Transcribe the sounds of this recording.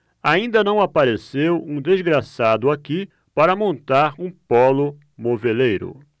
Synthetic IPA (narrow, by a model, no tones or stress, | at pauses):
aĩnd̪ɐnɐ̃w̃apaɾesewũd̪ezɡɾasad̪ʊaki | paɾɐmõnt̪aɾũpɔlʊ | movelejɾʊ̰